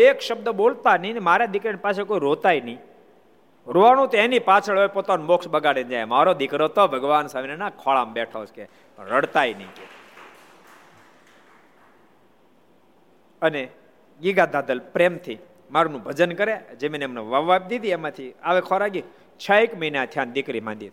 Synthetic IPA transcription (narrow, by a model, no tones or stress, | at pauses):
ekʃəb̚d̪əbolt̪anəinemaɾad̪ɪkɾenipat͡ʃʰekoiɾot̪ainəĩ | ɾoʋaɽ̃ũt̪enipat͡ʃʰəɭojpoːt̪anumoksbəɡaɽend͡ʒajemaɾod̪ɪkɾot̪ɔbʱəɡʋaːnsamnenãkʰɔɭaːmbɛʈʰat͡ʃke | pəɳɾəɽt̪ainəĩke | əne | ɡiɡad̪aːd̪əlpɾemt̪ʰi | maɾunũbʱəd͡ʒənkəɾed͡ʒemnemneʋaʋap̚d̪id̪iemãt̪ʰiaʋekʰɔɾaɡi | t͡ʃʰaekməinat̪ʰjand̪ɪkɾimã̰nd̪it̪